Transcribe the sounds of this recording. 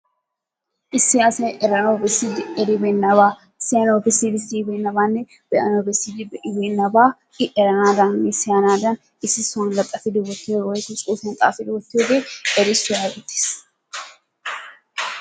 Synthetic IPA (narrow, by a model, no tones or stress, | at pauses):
ʔɪsːɪjaːsɐjʔɛɾɐnowbɛsːɪd̪ɪɛɾɪbɛnːɐbaː | ɪsːɪjɐnowbɛsid̪ɪsibɛːnːɐbaːnːɛ | b̥ɛʔɐnoːbɛsːɪd̪ɪbɛʔɪbɛnːɐbaː | ɪʔɛɾɐnaːd̪anːɪsɪjanaːd̪ɐn | ɪsːɪsʊnd̪ɐt̪ʼːɐfɪd̪ɪwɔt̪ːɪjowɔjt̪ʊt͡sʼuːfɐnt̪ʼa̰ːfɪd̪ɪwɔt̪ːɪjoːbeːɛɾɪsʊjaːɡɛt̪ːe̥s